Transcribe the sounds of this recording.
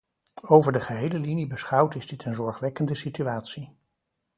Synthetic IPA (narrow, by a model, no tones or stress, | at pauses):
owvəɹdəχəɦejləlinibəsχɑwtɪzdɪtənzɔɹχʋɛkəndəsityaːtsi